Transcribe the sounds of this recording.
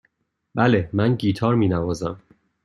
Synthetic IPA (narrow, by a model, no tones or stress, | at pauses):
b̥ælemænɟiːt̪ʰɒːɾmiːnævɒːzæm